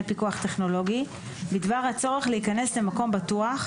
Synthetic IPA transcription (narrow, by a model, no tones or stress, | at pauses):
pikuaχteχno̞lo̞ɡi | bidvaʁhat͡so̞ʁe̞χleikanesle̞mako̞mbatuaχ